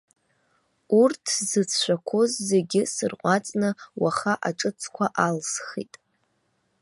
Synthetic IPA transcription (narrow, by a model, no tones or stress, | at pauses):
urtʰzɨt͡sʰʃʷᶣakʷʰo̞zːe̞ɡʲɪsɨrqʷʼat͡sʼnɨwaχaʔaʈ͡ʂʼɨt͡sʰkʷʰaʔalsχḭtʼ